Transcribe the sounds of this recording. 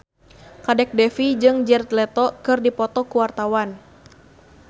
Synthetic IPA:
kadɛk̚dɛfid͡ʒɨŋd͡ʒɛrt̪lɛt̪ɔkɨrdipɔt̪ɔkuwart̪awan

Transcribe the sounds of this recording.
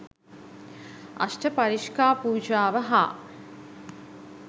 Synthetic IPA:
ɐ̰sʈəpaɾiʃkaːpuːd͡ʒaːʋəɦa̰ː

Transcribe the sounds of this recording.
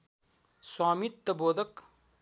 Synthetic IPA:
swaːmit̪ːɐboːd̪ɐk

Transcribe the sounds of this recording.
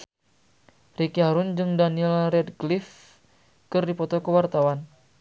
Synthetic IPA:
rikiɦaɾund͡ʒɨŋdaniɛlrɛdɡlif | kɨrdipɔt̪ɔkəwart̪awan

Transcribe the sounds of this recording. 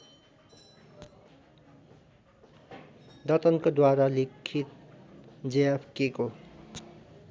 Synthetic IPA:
d̪ʌt̪ʌnkod̪waɾalikʰit̪̚ | d͡zejapʰkeko

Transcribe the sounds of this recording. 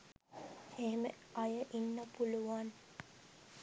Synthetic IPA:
eɦemə | ɐjəʔinːəpuluʋan

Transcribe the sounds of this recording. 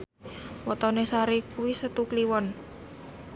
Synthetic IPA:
wɔt̪ɔnesaɾikuwisət̪ukliwɔn

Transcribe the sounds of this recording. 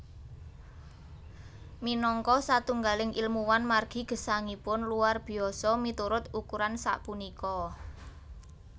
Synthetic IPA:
minɔŋkɔsat̪uŋɡalɪŋʔilmuwanmarɡ̥i̤ɡ̥ə̤saŋipʊnluwarb̥i̤ɔsɔmit̪uɾʊt̪ukuɾansa̰ʔpunikɔ

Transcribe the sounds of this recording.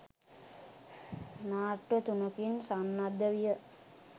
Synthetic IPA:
naːʈʋət̪unəkinsanːad̪əʋijə

